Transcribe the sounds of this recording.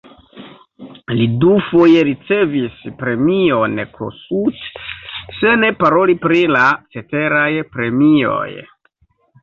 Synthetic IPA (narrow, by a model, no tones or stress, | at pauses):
lidufo̞je̞ɾit͡se̞vispɾe̞mio̞nkʰo̰sut | se̞ne̞paɾo̞lipɾilat͡se̞te̞ɾajpɾe̞mio̞̰j